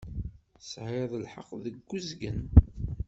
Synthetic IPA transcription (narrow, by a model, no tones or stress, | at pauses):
sʕeðˤəlħə̰qðəɡːuzɡən